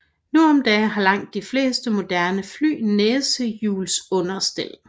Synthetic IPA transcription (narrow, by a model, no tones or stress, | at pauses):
nuɒ̽md̥ɛːɦɑ̈lɑ̈ŋ̰d̥ːifle̝̰ːsd̥əmo̝d̥æɐnəfly̰ːneːsəjuːlsɔ̽nɐsd̥el̰